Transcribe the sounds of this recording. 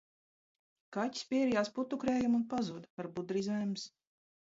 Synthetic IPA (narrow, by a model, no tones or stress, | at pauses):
katʲi̥spʲiɛɾijaːsput̪ːukɾeːjumunpazuːd̪aɾbud̪ɾizɛjms